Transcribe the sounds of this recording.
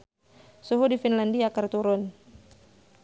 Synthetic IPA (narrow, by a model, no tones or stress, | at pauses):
suɦudifinlandiakərt̪uɾʊn